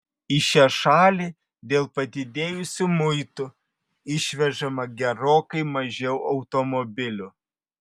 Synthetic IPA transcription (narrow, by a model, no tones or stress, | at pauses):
ɪʃʲæʃɑːlʲiː | d̪ʲeːlˠpɐd̪ʲɪd̪ʲeːjʊsʲʊmʊɪt̪ʊ | ɪʃʲʋʲɛʒɐmɐɡʲɛɾoːkɐɪmɐʒʲɛʊʔɒʊt̪omɔbʲɪlʲʊ